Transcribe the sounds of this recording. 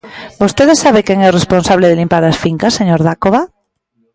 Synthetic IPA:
bost̪eðesaβ̞ekeŋɛoresponsaβ̞leð̞elimpaɾasfiŋkaseɲoɾðakoβa

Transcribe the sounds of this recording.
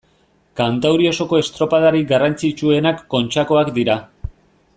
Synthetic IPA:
kant̪awɾio̞so̞ko̞e̞st̪ɾo̞pað̞aɾiɡarant͡sit͡ʃue̞nakːo̞nt͡ʃako̞akd̪iɾa

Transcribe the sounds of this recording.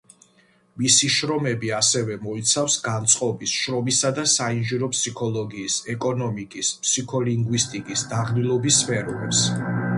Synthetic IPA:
misiʃɾɔmɛbiasɛvɛmɔit̪sʰafsɡant̪sʼqʼɔbisʃɾɔmisad̪asainʒiɾɔpʰsikʰɔlˠɔɡiːsɛkʼɔnɔmikʼispʰsikʰɔliŋɡwist̪ʼikʼisd̪aʁlilˠɔbisːpʰɛɾɔɾɛps

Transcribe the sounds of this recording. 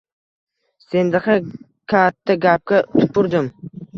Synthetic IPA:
se̞nd̪ɪqa | kʲʰat̪ʰːaɡʲap̚kʲat̪ʰʊ̥pʰːʊɾd̪ɪm

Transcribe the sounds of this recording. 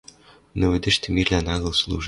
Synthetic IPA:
nɤ̆ʋɘ̆d̪ʲɘ̆ʃt̪ʲɘ̆mʲirʲlʲænɑɣɤ̆lˠslˠṵʐ

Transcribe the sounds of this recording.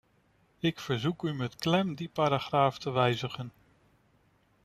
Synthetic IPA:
ɪkfəɹzukymɛtklɛmdipaːɾaχraːftəʋɛjzəχən

